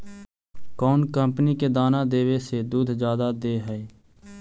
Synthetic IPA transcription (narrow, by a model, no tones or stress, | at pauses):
kɔːnkə̃mpniked̪aːnad̪eːwesed̪uːd̪ʱd͡ʒjaːd̪ad̪eːɦɛe